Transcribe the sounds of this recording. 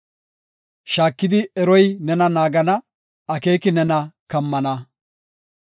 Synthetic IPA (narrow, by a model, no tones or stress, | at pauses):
ʃaːkːɪd̪ɪɛɾɔjnɛnɐnaːɡɐnɐ | ɐke̞ːkɪnɛnɐkɐmːɐnɐ